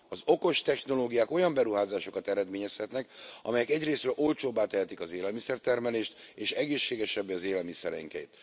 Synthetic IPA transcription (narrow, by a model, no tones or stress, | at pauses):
ɒzo̞ko̞ʃt̪ɛxno̞loːɡijaːko̞jɒmbɛɾuɦaːzaːʃo̞kɒt̪ɛɾɛd̪meːɲɛshɛt̪nɛkɒ̰mɛjɛkɛɟreːsrøːlʔo̞lt͡ʃoːbːaːt̪ɛɦɛt̪ikɒzeːlɛlmisɛrt̪ɛrmɛleːʃt̪eːʃɛɡeːʃːeːɡɛʃɛbːɛɒzeːlɛlmisɛɾɛ̰ŋkɛ̰ḭt̪